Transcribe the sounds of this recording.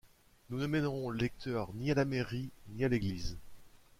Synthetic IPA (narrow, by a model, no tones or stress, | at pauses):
nunəmɛnʁɔ̃ləlɛk̚t̪ʰœʁnialameʁinialeɡliz